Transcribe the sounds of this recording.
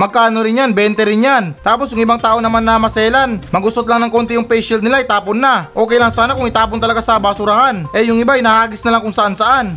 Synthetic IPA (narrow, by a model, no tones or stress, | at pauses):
mɐɡ̚kaːno̞ɾɪnjanbɛnt̪ɛɾɪnjant̪aːposjʊŋʔɪbaŋt̪aːʔonɐmanːɐmɐsɛːlanmɐɡʊst̪ot̪laŋnɐŋko̞nt̪ɪjʊŋpɛjʃɪldnɪlaʔɪt̪aːponːaʔo̞ːkɛjlaŋsaːnakʊŋɪt̪aːpont̪ɐlɐɡasɐbasʊɾɐhanʔɛjʊŋɪbajnɐhaːɡɪsnɐlaŋkʊŋsɐʔansɐʔan